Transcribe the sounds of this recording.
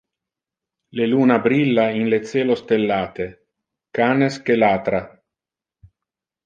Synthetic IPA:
leluːnabɾilːainlet̪seːlost̪elːaːt̪e | kaːneskelaːt̪ɾa

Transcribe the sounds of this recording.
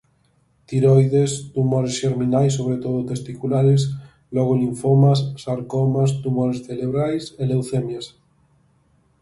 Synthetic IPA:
t̪iɾojðest̪umoɾesʃeɾminajsːoβ̞ɾet̪oðot̪est̪ikulaɾes̬ | lɔɣ̞oliɱfomassaɾkomast̪umoɾesθeleβɾajselewθemjas

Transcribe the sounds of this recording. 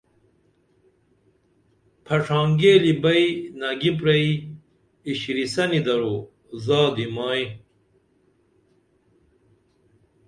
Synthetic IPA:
pʰɐʈ͡ʂʰaːŋɡeːlibɐinaɡip̬ɾɐi | iɕiɾisɐnid̪ɐɾo | zaːd̪imaːĩ

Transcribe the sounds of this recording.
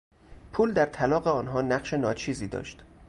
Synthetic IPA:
pʰuːld̪æɾt̪ʰælɒːɢeɒːnɦɒːnæɢʃe̞nɒːt͡ʃʰiːziːd̪ɒ̰ːʃt̪

